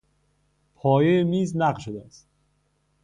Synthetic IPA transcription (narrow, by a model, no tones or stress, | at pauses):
pʰɒːjejemiːznæɢlʃod̪eæst̪